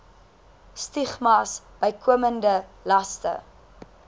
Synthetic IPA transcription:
stiχmɐs | b̥əjkʰuəməndəlɐstə̰

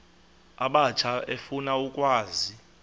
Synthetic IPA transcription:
aɓat͡ʃʰaefunaukʼwaːzi

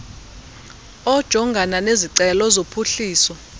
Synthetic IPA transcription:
ɔd̥ʒ̥ʱɔŋɡʱananeziǀɛlɔzopʰuɬiːsɔ

